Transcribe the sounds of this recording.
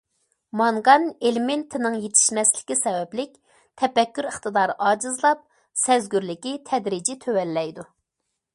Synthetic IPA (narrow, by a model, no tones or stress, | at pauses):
mɑŋʁɑnelɪment̪ʰɪnɨŋjet̪ʰɪ̥ʃmɛslɪ̥kʲisɛwɛplɪk̚ʲ | t̪ʰɛpɛkʲːyɾəχt̪ɨd̪ɑɾʔɑːd͡ʒɨzlˠɑp̚ | sɛzɡʲyɾlɪkʲit̪ʰɛd̪ɾid͡ʒit̪ʰøwɛlːɛjd̪u